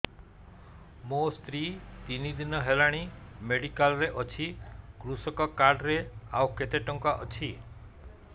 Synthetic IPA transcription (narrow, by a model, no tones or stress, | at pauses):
most̪ɾit̪inid̪inɔɦelaɽ̃imeɽikalɾeʔɔt͡ʃʰikɾusɔkɔkaɾɖɾea̰wket̪eʈɔŋkɔʔɔt͡ʃʰi